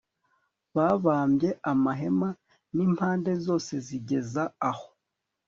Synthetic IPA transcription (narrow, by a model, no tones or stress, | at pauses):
βaβaːmbje̞ʔamaɦe̞ma | niːm̥haːnde̞zo̞ːse̞ziɟe̞zaːho